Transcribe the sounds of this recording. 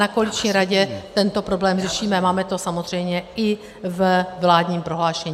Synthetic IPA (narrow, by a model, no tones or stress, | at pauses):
nakolɪt͡ʃɲiːɾaɟɛt̪ɛnt̪o̞pɾo̞blɛːmr̝ɛʃiːmɛmaːmɛt̪o̞samozr̝ɛjmɲɛɪ | vvlaːd̪ɲiːmpɾo̞ɦlaːʃɛɲiː